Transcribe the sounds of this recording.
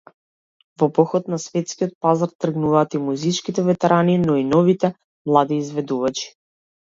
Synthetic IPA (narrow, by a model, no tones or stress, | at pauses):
vɔpɔxɔt̪nasvɛt̪skiɔt̪̚pazaɾt̪ːr̩ɡnuvaːt̪imuzit͡ʃkit̪ɛvɛt̪ɛɾʔaninɔinɔvit̪ɛ | mlˠad̪iːzvɛd̪uvat͡ʃi̥